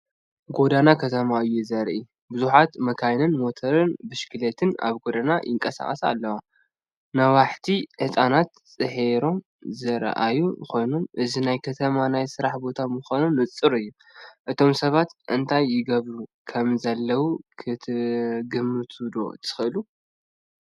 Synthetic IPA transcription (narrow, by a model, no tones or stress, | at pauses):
ɡo̞d̪anakʰɐt̪ʰɐmaɨjːuzɐɾʔi | bɨzuħat̪mɐkʰajnɨnmo̞t̪ʰɐɾɨnbɨʃkʰɨlet̪ʰɨna̰βɡo̞d̪ana̰jɪŋkʼɐsa̰χʼɐ̰sa̰lːɐwa | nɐwaħt̪ʰiħɨsʼanat̪t͡sʼɨħeɾo̞m | zɨɾ̰ʔa̰juxo̞jnomʔɨzinajkʰɐt̪ʰɐmanajsɨɾaħbo̞t̪ʰamɨxanunlɨt͡sʼːɨɾɨjːu | ʔɨt̪ʰo̞msɐβat̪ʔɨnt̪ʰajːɪɡɐβɾukʰɐmzɐlːɐwukʰɨt̪ʰɨɡɨmːɨt̪ʰud̪o̞̰t̪ʰɨ̥xɨɨlu